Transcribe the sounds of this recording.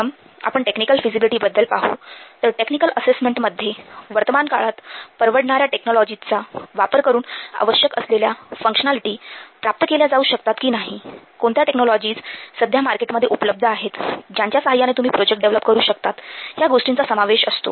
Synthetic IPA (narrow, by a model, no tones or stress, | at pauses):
m | a̰pəɳʈeknikəlfid͡zibiliʈiːbəd̪ːəlpaɦṵt̪əɾʈeknikəlʔəsesmeɳʈməd̪ʱːjeʋəɾt̪əmankaɭat̪pəɾʋəɽɳaɾjaʈeknɔlɔd͡ʑit͡saʋapəɾkəɾuːna̰ʋəɕjəkə̰sleljafə̃ŋkɕənaliʈiːpɾap̚t̪əkeljad͡zauːɕək̚t̪at̪kiːnaɦi | koɳt̪jaʈeknɔlɔd͡ʑiːt͡ssəd̪ʱjamaɾkeʈməd̪ʱjeupələb̚d̪ʱəaɦet̪d͡ʑjaɲt͡ɕjasəɦajːanet̪um̤iːpɾod͡ʑek̚ʈ̚ɖeʋləpkəɾuːɕək̚t̪at̪ɦjaɡoʂʈint͡sasəmaʋeɕəst̪o̰